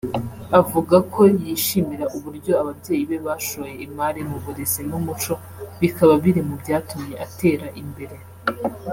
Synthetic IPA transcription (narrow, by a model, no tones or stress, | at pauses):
avuɡakʰo̞jiːʃimiɾaʔuβuɾɟo̞aβabɟe̞ːjiβe̞βaːʃoβjeimaɾimuβuɾesenumut͡ʃo̞ | βikaβaβiɾemubɟaːtumɲe̞ʔate̞ːɾaʔimbe̞ɾe̞